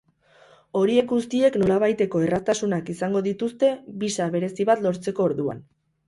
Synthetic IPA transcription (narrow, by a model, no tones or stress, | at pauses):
o̞ɾie̞kɡust̪ie̞kno̞laβajt̪e̞ko̞e̞rast̪asunakisaŋɡo̞ðit̪ust̪e̞βisaβ̞e̞ɾe̞siβat̪lo̞ɾt͡se̞ko̞ːɾðua̰n